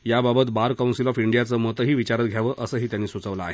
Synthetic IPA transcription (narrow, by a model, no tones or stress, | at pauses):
jababət̪baɾkawnsilɔfiɳɖijat͡səmot̪əɦiːʋit͡ɕaɾət̪ɡʱjaʋəʔəsəːɦiːt̪janːiːsut͡səʋlaːɦe